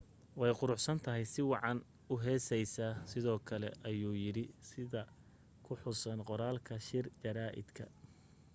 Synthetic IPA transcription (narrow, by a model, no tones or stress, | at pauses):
wɛjqʊɾʊħsɐnt̪ʰɐɦɛjsɪwɑʕɑn | ʊɦɛːsɛjsaːsɪðɔːkʰɐlɛ̰ʔɐjuːjɪɾɪsɪðɐ | kʰʊħʊsɐnqɔɾaːlkʰɐʃɪrd͡ʒɐɾaːʔɪ̰d̪kʰɐ̰